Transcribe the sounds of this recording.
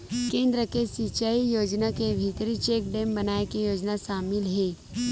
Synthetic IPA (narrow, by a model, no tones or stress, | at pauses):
kẽːnd̪ɾəkesit͡ʃaːijoːd͡ʒnakebʱit̪ɾit͡ʃeːk̚ɖẽːmbɐnaːekijoːd͡ʒnaʃaːmɪlɦɛː